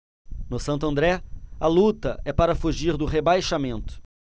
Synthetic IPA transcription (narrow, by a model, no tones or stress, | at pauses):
nʊsɐ̃nt̪ʊɐ̃nd̪ɾɛɐlut̪ɐɛpaɾɐfuʒiɾd̪ʊɦebajʃamẽnt̪ʊ̥